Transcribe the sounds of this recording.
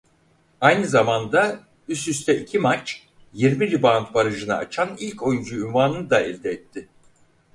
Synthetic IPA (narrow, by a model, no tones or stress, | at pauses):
ajnɯzamand̪a | ysyst̪ʰɛicʰimat͡ʃ | jiɾmilʲibant̪̚baɾɯʒɯna̰ːt͡ʃʰanilʲcʰo̞jund͡ʒuynvaːnɯnɯd̪aɛlʲd̪ɛːt̪ʰːɪ